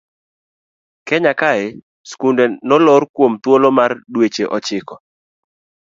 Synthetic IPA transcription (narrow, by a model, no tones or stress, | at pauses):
kɛɲakaɪ | skundɛnɔlɔɾkwomt̪wolomardwet͡ʃeʔɔt͡ʃɪkɔ